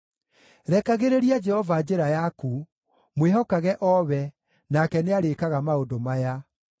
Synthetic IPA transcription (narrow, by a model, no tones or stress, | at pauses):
ɾɛkaɣeɾeɾiad͡ʒɛhɔvad͡ʑeɾajaku | mweɦɔkaɣɛʔɔβɛ | nakɛneaɾekaɣamaodomaja